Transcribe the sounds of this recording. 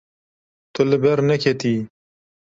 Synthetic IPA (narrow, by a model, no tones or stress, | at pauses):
t̪ʊlɨbɛɾnɛkʰet̪iː